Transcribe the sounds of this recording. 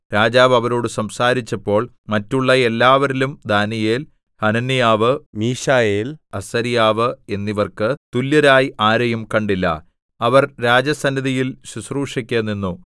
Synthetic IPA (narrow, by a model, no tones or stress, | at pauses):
ɾaːd͡ʑaːʋɐʋɐɾo̞ːɽɨsɐmsaːɾit͡ɕːɐpːo̞ːɭ | mɐtːuɭːɐe̞lːaːʋɐɾilumd̪aːnije̞ːl | hɐnɐnːijaːʋɨmiːʂaːjeːlɐsɐɾijaːʋɨe̞nːiʋɐrkɨt̪ulːjɐɾaːjiʔaːɾɐjumkɐɳɖilːɐ̰ | ɐʋɐrɾaːd͡ʑɐsɐnːiðijilɕusruːʂɐkʲːeːnːinːu